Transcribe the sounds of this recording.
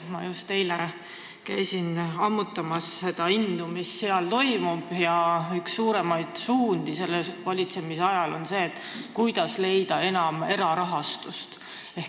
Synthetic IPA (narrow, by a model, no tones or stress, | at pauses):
mɑ̰just̪ːe̞jle | kæjsinɑmːut̪ːˑɑmɑsːe̞d̪̥ɑind̪̥umisːeɑlt̪o̞jmub̥jɑyksːuːɾe̞mɑjd̪̥suːnd̪̥ise̞lːesvɑlʲit̪se̞miseɑjɑlo̞nse̞ːt̪ːˑkujd̪̥ɑsle̞jd̪̥ɑe̞nɑme̞ɾɑɾɑɦɑst̪ust̪ | e̞h